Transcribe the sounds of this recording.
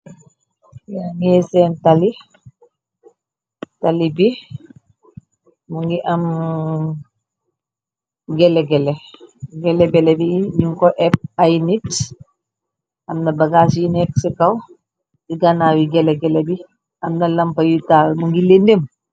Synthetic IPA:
jaŋɛsɛntali | talibi | muŋɡiʔɐm | ɡɛlɛɡɛlɛɡɛlɛbɛlɛbiɲuŋkɔʔɛp̚ajnit | ɐmnɐbɐɡaːsjinɛk̚sikaw | diɡanawiɡɛlɛɡɛlɛbi | ɐmnɐlɐmpɐjutawmuŋɡilendem

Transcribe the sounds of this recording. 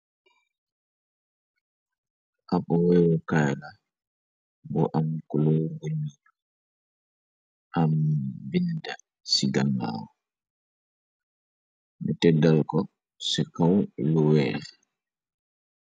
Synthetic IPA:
ʔaɓɔwɛwɔkaːjla | bɔʔamkɔlɔɡoɲːiːɗɔ | ʔambinda | siɡaŋːa̰ːwɔ | mitɛdalkɔ | sɛkawlɔwɛːɾ

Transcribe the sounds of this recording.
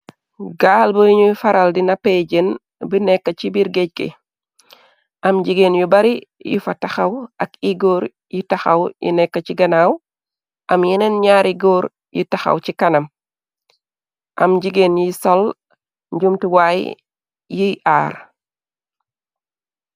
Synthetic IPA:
ɡaːlbəiɲufaɾaldinapeɟen | binɛkːɐcibiɾɡeɟ̚kḛ | ʔɐmɟiɡeːnjubɐɾijṵfɐtaxɐwɐkiɡoːɾ | jitaxɐwjḭnɛkːɐciɡɐnaːw | ʔɐmjinɛnɲaːɾiɡoːɾ | jḭtaxɐ̰wcikɐnɐm | ʔɐ̰mɟiɡenjisol | ɲɟumtiwaj | jiʔaːɾ

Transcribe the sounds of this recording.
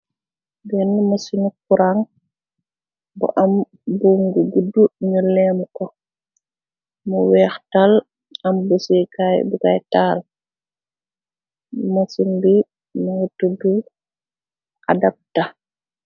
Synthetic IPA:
bɛnmɐsinukuɾaŋ | bṵʔɐm | buŋɡuɡudːuɲəlɛmkɔ | muwɛːxtal | ɐmbusikajbuka̰jtaːl | mɐsinbi | nutudu | ʔa̰dɐp̚ta

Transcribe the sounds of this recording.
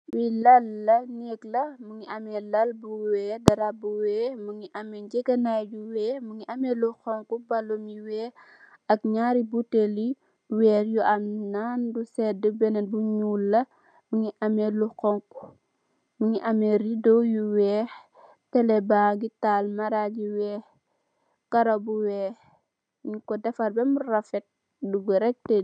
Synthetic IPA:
wilɐlːɐnɛklɐmuŋiʔɐmɛlɐlbuwɛːdɐɾabuwɛːmuŋiʔɐmɛɟɛɡɐnajjuwɛːmuŋiʔɐmɛluxɔŋkubɐlomjiwɛː | ɐk̚ɲaːɾibuteli | wɛːɾjuʔɐmnaːndusɛdəbɛnɐbuɲuːlːɐ | muŋiʔɐmeluxɔŋku̥ | muŋiʔɐmɛridojuwɛːh | tɛlɛbaɡitaːlmaɾaɟiwɛːh | kɐɾobuwɛːh | ɲukɔdɛfɐrbɛmurɐfɛt̚ | duɡuɾɛk̚tɛ

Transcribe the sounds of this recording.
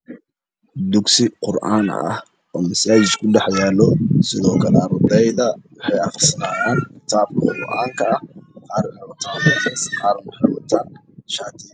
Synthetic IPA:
d̪ʊɡsɪqʊrʔa̰ːnɐ̰h | ɔːmɐsaːt͡ʃɪt͡ʃ̪kʰʊɖɛħjaːlɔsɪðɔːkʰɐlɛɑɾd̪ɛjðɐwɑħɑjɑχrsɐnaːjaːnkʰɪ̥t̪ʰaːb̚kʰɐqʊɡɔʔaːŋkʰɐɐhqɑːɾnwɔt̪ʰaːnɛssqɑːɾmʊħɑjwɐ̰t̪ʰaːn | ʃaːt̪ʰiː

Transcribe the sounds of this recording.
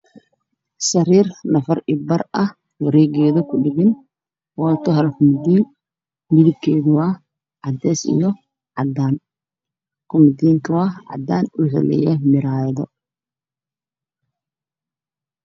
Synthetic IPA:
sɐriːrnɐfɐrʔɪbɐrɐh | wɐɾɛːɡɛːðɐkʰʊɖɪɣɪn | wɑːt̪ʰɔɦɐlkʰʊmd̪iːn | mɪðɪb̚kʰɛːðʊwɑː | ʕɑd̪ɛːsḭjɔ | ʕɑd̪aːn | kʰʊmɪd̪iːŋkʰɐwɑːʕɑ̰d̪aːnʊħɪ̰lɛ̰jɛmɪɾaːjðɔ

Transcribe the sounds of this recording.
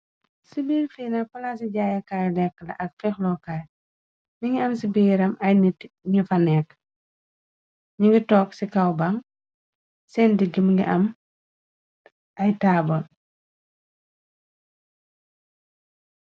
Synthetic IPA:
sibiːlfiːnapɐlaːs̬iɟaːjɐkajlɛkːəlɐ̰ʔɐk̚fɛxlɔkal | niŋiɐmsibiːɾɐmɐjnitɲifanɛːk | ɲiŋɡitɔːksikawbaŋ | sɛːndiɡimɡḭʔɐm | ɐjtaːbɔl

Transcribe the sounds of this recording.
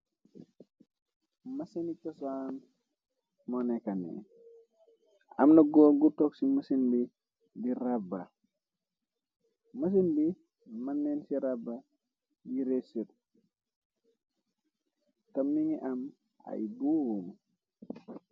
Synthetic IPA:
mɐsenitɐsan | mɔnɛkanḭ | ɐ̰mnɐɡɔɡutɔksimɐsinbi | diɾaba̰ | mɐs̬inbi | mɐnːensiɾabːa | diɾesət̚ | kɐmːiŋiʔɐm | a̰jbuwum

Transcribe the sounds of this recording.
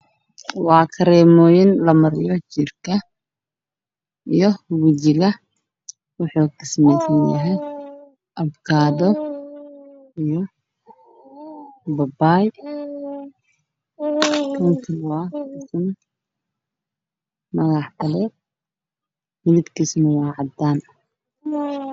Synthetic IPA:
wɑːkʰɐɾɛːmɔːjɪnlɐmɐɾɪjɔt͡ʃɪrkʰɐ | ʔijɔwɪt͡ʃɪɣɐ | wʊħuːkɪsmɛjsɐnjɐ̰ɦɛj | ʔɐbkʰaːðɔ | ijɔ | bɐbaːj | kʰɐŋkʰɪwɑːkɪsn | mɐɣɑħkʰɐlɛ | mɪðɪd̪kʰisnɐwɑːʕɑd̪aːnɐ

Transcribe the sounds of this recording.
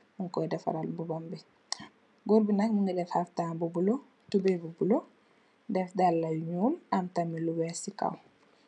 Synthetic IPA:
muŋkɔjdɛfa̰ɾalmbubambɛ | ɡoɾbinakmuŋɡɐdɛfhaftaːmbubulo | tubebubulo | dɛfdalːajuɲuːmamtamiluwɛsika̰w

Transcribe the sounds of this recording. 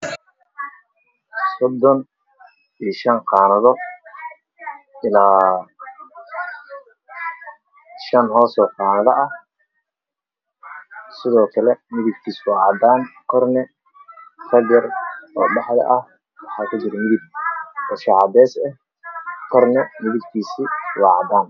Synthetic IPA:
sɔd̪ːɔn | iːʃɐnqɑːnɐðɔ | ɪlaː | ʃɐnɦɔːsɔːqɑːnɐðɐʔɐh | sɪðɔːkʰɐlɛmɪðɪɡ̚kʰiːswɑːʕɑd̪aːnkʰɔrnɛ | fɐɡɐrɔːɖɑħðɛ̰ʔɐh | wɑħɑːkʰʊt͡ʃɪɾɛmɪðɪb̚wɔʃɑʕɑdɛːsɛh | kʰɔrnɛmɪðɪɡkʰiːsiwɑːʕɑ̰d̪aːn

